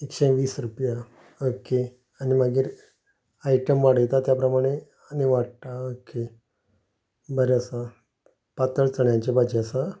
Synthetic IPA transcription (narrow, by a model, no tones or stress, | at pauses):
ekɕẽʋiːsɾupja | oke | animaɡiːɾ | aiʈəmʋaɽ̤əjt̪at̪japɾəmaɽ̃e | aniʋaɽt̪aoke | bəɾeəsa | pat̪əɭt͡səɳjãnt͡ɕebad͡ʑeəsa